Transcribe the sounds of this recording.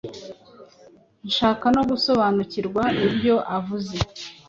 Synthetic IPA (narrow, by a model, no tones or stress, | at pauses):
nʃaːkano̞ɡuso̞βaːnuciɾɡwaibjo̞ʔavuze